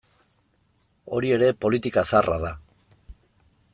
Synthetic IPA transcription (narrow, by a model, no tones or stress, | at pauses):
o̞̰ɾie̞ɾe̞po̞lit̪ikasara̰ða